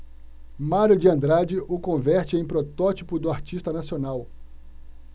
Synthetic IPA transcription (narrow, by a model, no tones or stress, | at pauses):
maɾʊd͡ʒɪɐ̃nd̪ɾad͡ʒɪʔʊkõvɛɾt͡ʃɪẽj̃pɾot̪ɔt͡ʃipʊd̪ʊaɾt͡ʃist̪ɐnasionaw